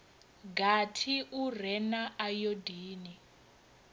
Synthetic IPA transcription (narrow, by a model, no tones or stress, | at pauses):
ɡatʰiʔurɛnaʔajodiːni